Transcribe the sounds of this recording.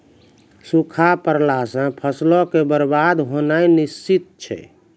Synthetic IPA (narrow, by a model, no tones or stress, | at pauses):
sukʰapəɾlasə̃pʰəslɔkebəɾbad̪ɦonajnist͡ʃit̪̚t͡ʃʰɛ̰